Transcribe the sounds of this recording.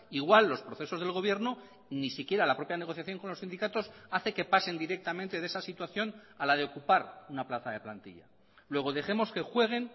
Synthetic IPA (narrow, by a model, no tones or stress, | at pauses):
iɣwalːo̞spɾoθe̞so̞zðelɣ̞o̞βje̞ɾno̞ | nisikje̞ɾalapɾo̞pjane̞ɣo̞θjaθjo̞ŋko̞nlosind̪ikat̪o̞saθe̞ke̞pase̞nd̪iɾe̞k̚t̪amẽnt̪e̞ðe̞sasit̪waθjo̞nalað̞e̞okupaɾunaplaθaðe̞plant̪ḭʎa̰ | lwe̞ɣ̞o̞ðe̞xe̞mo̞ske̞xwe̞ɣ̞e̞n